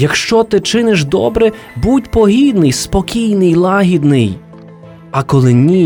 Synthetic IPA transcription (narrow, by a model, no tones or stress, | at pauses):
jɐkʃt͡ʃɔt̪ɪt͡ʃɪnɪʒd̪ɔ̰bɾɛ | butʲpɔɦʲid̪nɪjspɔkʲijnɪjlˠɑɦʲid̪nɪj | ɐkɔlˠɪnʲi